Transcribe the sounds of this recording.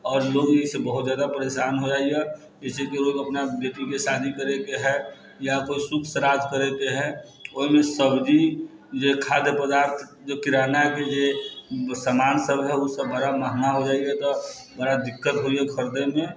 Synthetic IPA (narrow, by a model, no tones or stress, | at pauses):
ɔːɾloːɡisebəɦʊt̪d͡ʒjaːd̪apəɾeːʃaːnɦod͡ʒaːiɡa | d͡ʒɛsekeloːɡəpnabeːʈikeʃaːd̪ʱikəɾekeɦɛ | jakoisʊkʰsəɾaːd̪kəɾekeɦɛ | oɦimẽsəbd͡ʒi | d͡ʒekʰaːd̪jəpəd̪aːɾt̪ʰ | d͡ʒokɪɾaːnaked͡ʒe | səmaːnsəbɦɛʊsːəbbəɽamaɦnaɦod͡ʒaːiɛt̪ɔ | bəɽad̪ɪkːət̪ɦoiɛkʰəɾd̪emẽ